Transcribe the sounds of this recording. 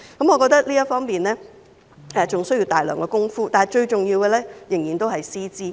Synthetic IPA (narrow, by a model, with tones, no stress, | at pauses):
kɐ˨˥mŋɔː˨˧kɔː˧t̪ɐ˥k̚liː˥jɐ˥tfɔː˥ŋpiː˨˩nlɛː˥ | ɛ˨˧t͡sʊ˨ŋsɵ˥ji˧wt̪aː˨jlœ̰ː˨˩ŋkɛː˧kʊ˥ŋfuː˥t̪aː˨nɐ˨jt͡ʃɵ˧ɥt͡sʊ˨ŋjiː˧wɡɛː˧lɛː˥jɪ˨˩ŋjiː˨nt̪o˥whɐ˨jsiː˥t͡siː˥